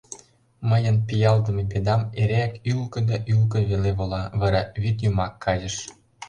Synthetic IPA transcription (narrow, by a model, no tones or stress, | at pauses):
məjənpijɑld̪əmeped̪ɑmeɾeækylkə̆d̪ɑʔylk̬ə̆βeleβolɑβɑɾɑβit̪jumɑkːɑzə̆ʃ